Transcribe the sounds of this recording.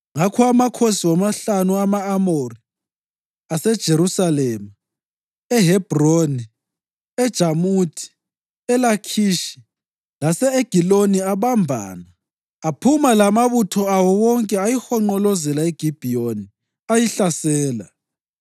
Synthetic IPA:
ŋakʰɔamakʰosiwamaɬanuamaːmori | asɛd̥ʒ̥ʱeɾusalema | ɛɦɛb̥ʱroni | ɛd̥ʒ̥ʱamutʰi̥ | ɛlakʰiːʃi̥ | lasɛeɡ̥ʱiloniaβambʱa̰ːnaː | pʰumalamaβutʰɔawɔwɔŋkʼɛajixɔŋ͡ǃɔlɔzɛlaeɡ̥ʱib̥ʱioni | ajiɬasɛːla̰

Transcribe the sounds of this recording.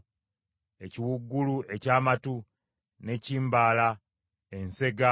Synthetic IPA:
e̞ciwuɡːulue̞caːmatu | ne̞ciːmbaːla | e̞nse̞ɡa

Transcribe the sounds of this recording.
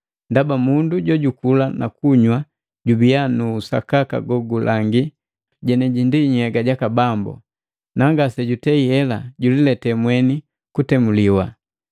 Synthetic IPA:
ndabamunduɟɔɟukulana̰kuɲwa | ɟubianuːsa̰kaka̰ɡɔɡulʔaŋɡi | ɟɛnɛɟindiɲɛɡaɟakabambɔ̰ | naŋɡasɛɟutɛiɛlaɟulilɛtɛmwɛni | kutɛmuliwa

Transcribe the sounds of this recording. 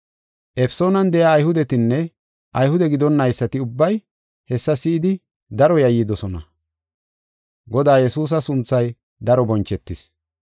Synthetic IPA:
ʔɛfso̞ːnɐnd̪ɛjaːjhʊd̪ɛt̪ɪnːɛ | ʔɐjhʊd̪ɛɡɪd̪ɔnːɐjsːɐt̪ɪʊbːɐj | hɛsːɐsɪɪd̪ɪ | d̪ɐɾɔjɐjːid̪ɔsɔnɐ | ɡɔd̪aːjɛsuːs̬ɐsʊnt͡sːɐj | d̪ɐɾɔbɔnt͡ʃːɛt̪ːɪs

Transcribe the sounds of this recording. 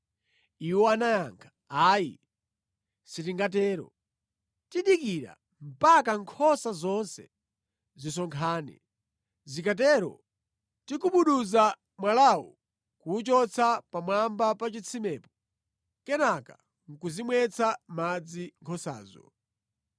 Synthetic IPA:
iwɔanajaŋkʰḁ | aːjḭ | sitiŋɡat̬ɛːɾɔ̰ | tiɗikiɾa̰ | m̩pakaŋkʰɔsazɔnsɛ̰ | zisɔŋkʰaːnɛ̰ | zikat̬ɛːɾɔ̰ | tikuɓuɗuza | mwalawṵ | kuːt͡ʃɔt͡sʰapamwambapat͡ʃit͡sʰimɛːpɔ̥ | kɛnaka̰ | ŋ̩kuzimwɛt͡sʰamad͡ziŋkʰɔsa̰ːzɔ̰

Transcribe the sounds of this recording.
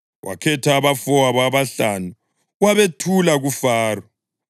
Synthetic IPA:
wʔa̰kʰɛtʰaːβafɔwaβaβaɬanu | waβetʰulaɣufaːrɔ

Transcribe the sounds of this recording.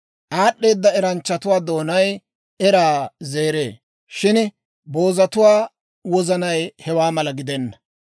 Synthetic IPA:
ʔaːɗːe̞ːd̪ːɐɛɾɐnt͡ʃːɐt̪ʊwaːd̪o̞ːnɐj | ɛɾaːze̞ːɾe̞̰ː | ʃɪn | bo̞ːzɐt̪ʊwaː | wɔzɐnɐjhɛwaːmɐlɐɡɪd̪ɛnːɐ

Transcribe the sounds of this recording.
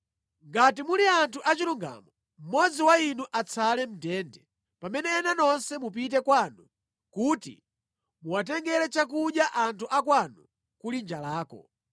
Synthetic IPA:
ŋɡatimuliantʰuʔat͡ʃiluŋɡa̰mɔ | m̩mɔd͡ziwainuʔat͡sʰalɛm̩tɛːndɛ | pamɛnɛːnanɔnsɛmup̬it̬ɛkwanu | kuːtḭ | muwat̬ɛŋɡɛlɛt͡ʃak̬uɗjaʔantʰuʔakwanu | kulind͡ʒalaːkɔ̰

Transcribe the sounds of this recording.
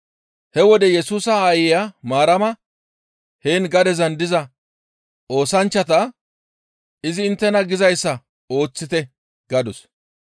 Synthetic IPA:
hɛwɔd̪ɛjɛsuːsɐaːjɪjaːmaːɾɐmɐ | heːnɡɐd̪ɛzɐnd̪ɪzɐ | o̞ːsɐnt͡ʃːɐt̪ɐ | ɪzɪːnt̪ːɛnɐɡɪzɐjsːɐ | o̞ːt͡sːɪt̪ɛ | ɡ̥ɐd̪ɔs

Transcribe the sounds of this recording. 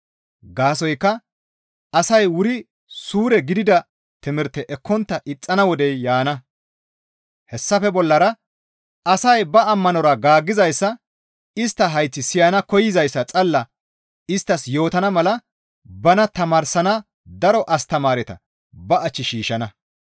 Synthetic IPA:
ɡaːs̬ɔjkːɐ | ɐsɐjwʊɾɪ | suːɾɛɡɪd̪ɪd̪ɐ | t̪ɪmɪɾt̪ɛʔɛkːɔnt̪ːɐʔɪt͡sʼːɐnɐwɔd̪ɛjjaːnɐ | hɛsːɐfɛbɔlːɐɾɐ | ɐsɐjbɐːmːɐnɔɾɐɡaːɡːɪzɐjsːɐ | ɪst̪ːɐɦɐjt͡sːɪsɪjɐnɐkɔjɪzɐjsːɐt͡sʼɐlːɐ | ɪst̪ːɐsjo̞ːt̪ɐnɐmɐlɐ | bɐnɐt̪ɐmaːɾsɐnɐ | d̪ɐɾɔʔɐst̪ɐmaːɾɛt̪ɐ̰ | bɐɐt͡ʃːɪʃiːʃɐnɐ

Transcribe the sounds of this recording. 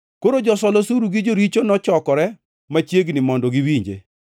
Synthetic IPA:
koɾod͡ʒɔsɔlosuɾuɡid͡ʒoɾit͡ʃonɔt͡ʃɔkɔɾɛ | mat͡ʃjeɡnɪmɔndɔɡiwiɲd͡ʒḛ

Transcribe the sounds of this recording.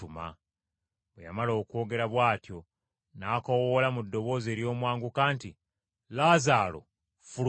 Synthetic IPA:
uma̰ | βwḛja̰malo̞ːkwo̞ːɡe̞ɾaβwaːtjo̞ | naːkawolamudːo̞βo̞ːzeːɾjo̞ːmwaːŋɡukaːnti | lazaːlo̰ | fu

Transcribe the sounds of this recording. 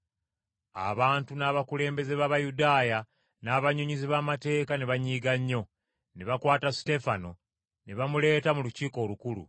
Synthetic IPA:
a̰βaːntunaːβakule̞ːmbe̞ze̞βaβajudaːja | naːβaɲuɲiziβaːmate̞ːkaneβaɲiːɡaɲːo̞ | neβakwaːtasi̥te̞fano̞ | neβamule̞ːtamuluciːko̞ːlukulṵ

